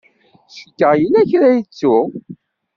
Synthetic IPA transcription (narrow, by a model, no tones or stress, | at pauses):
səkːəʁjəlæçɾæjət͡sːu